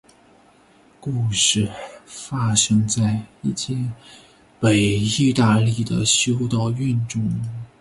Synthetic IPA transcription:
ku˥˧ʂɻ̩˥˩fa˥ʂɤ˥ŋt͡sa˥˧ɪi˥˩t͡ɕʰjɛ˥˩ | pe˨˩ɪi˥˧t̪a˥˧li˥˩d̪ə˩ɕjo˥ʊt̪ɑ˥˧ʊy˥˧nʈ͡ʂʊ˥˩ŋ

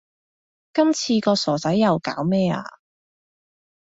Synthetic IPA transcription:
kɐ˥mt͡sʰiː˧kɔː˧sɔː˨˩t͡sɐ˨˥jːɐ˨wka̰ː˨˥wmɛː˥a̰ː˧

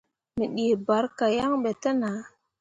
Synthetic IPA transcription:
mi˨ɗi˨ba˨˦ɾka˨ja˦ŋɓe˨tə˦na˨˦

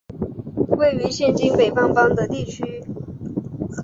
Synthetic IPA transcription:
we˥˩ɪy˧˥ɕjɛ˥˩nt͡ɕi˥ŋpe˨˩ɪfɑ˥˩ŋfɑ˥ŋd̪ə˨t̪i˥˩t͡ɕʰy˥

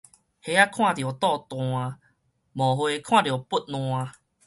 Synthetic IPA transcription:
he˧˦a˦kʰw̃ã˥˨djo˨˩˨t̪ɔ˥˧˨t̪wɔ̃˧a˧ | mɔ̃˨ɦwe˧kʰw̃ã˥˨ɾjo˨˩pu˦t̚nɔ̃˧a˧

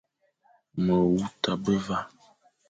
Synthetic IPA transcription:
mə˨wu˦ta˨bə˦va˦

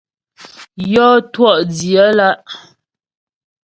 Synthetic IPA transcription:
jɔː˦twɔ˦˨ʔdji˨ə˨˦la˦ʔ

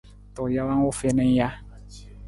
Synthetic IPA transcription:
tɔ˨ja˦wa˦o˦fe˦nɛ˦ŋ˦ja˦

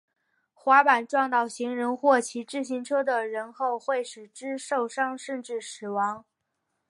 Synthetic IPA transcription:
xwa˧˥pa˨˩nʈ͡ʂwɑ˥˧ŋt̪ɑ˥˩ʊɕi˧˥ŋɻə˧˥nxwɔ˥˩t͡ɕʰi˧˥ʈ͡ʂɻ̩˥˩ɕi˧˥ŋʈ͡ʂʰɤ˥d̪ə˨ɻə˧˥nxo˥˧ʊxwe˥˩ɪʂɻ̩˨˩ʈ͡ʂɻ̩˥ʂo˥˩ʊʂɑ˥ŋʂə˥˧nʈ͡ʂɻ̩˥˩ʂɻ̩˨˩wɑ˧˥ŋ

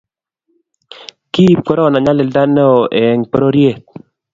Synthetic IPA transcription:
ki˦p̚kɔ˦ɾɔ˦˨na˨ɲa˦le˨lda˦no˦˨ʔe˨ɛ˨ŋpɔ˦ɾo˦ɾje˦˨t̪̚

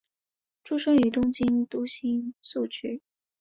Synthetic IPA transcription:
ʈ͡ʂʰu˥ʂɤ˥ŋy˨˩t̪ʊ˥ŋt͡ɕi˥nt̪u˥ɕi˥nsu˥˩t͡ɕʰy˥

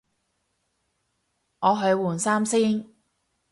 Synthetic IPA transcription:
ŋɔː˨˧ɦɵ˨˧ɥwuː˨˩nsaː˥msiː˥n

